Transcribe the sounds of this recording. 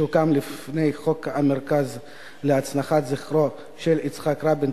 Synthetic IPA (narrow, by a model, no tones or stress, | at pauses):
ukamlifnejχokameʁkaz | leat͡snaχatziχɾo | ʃelit͡sχakɾabin